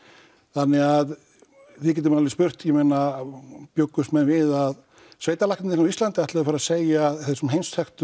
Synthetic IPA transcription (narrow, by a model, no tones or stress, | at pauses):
θanːɪað | vɪðc̬ɛːt̪ɪmnalɪspʏr̥t̪jɛmejnapjowkːʏst̪mɛnvɪðað | sveːjt̪alajk̪nɪnɪnaislant̪ɪat̪ɪðafaɾðaseːjaθesʏmɦejnst̪ʰɛxt̪ʏ